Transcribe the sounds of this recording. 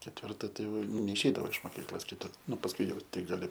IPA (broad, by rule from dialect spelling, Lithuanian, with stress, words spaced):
kʲɛtʲʋʲɪrˈtɐ tɐɪ jɛʊ nʲɛɪʃʲˈɛɪdɐʋoː ɪʃ moːˈkʲiːklˠoːs kʲɪˈtʊ ˈnʊ pɐsˈkʊɪ jɛʊ ˈtʲɪk ɡɐˈlʲɪ